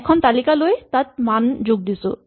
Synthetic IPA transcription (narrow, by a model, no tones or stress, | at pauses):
ɛkʰɔnt̪alikaloet̪at̪̚mand͡ʑoɡ̚d̪iso̰